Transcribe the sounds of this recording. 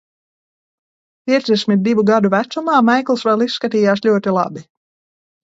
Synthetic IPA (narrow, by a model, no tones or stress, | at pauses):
pʲiɛd̪zd̪ɛsʲmʲit̪̚d̪ivuɡad̪uvæt̪sumaːmɛjklˠsvɛlˠisːkat̪iːjaːslʲuɔt̪ilˠa̰bi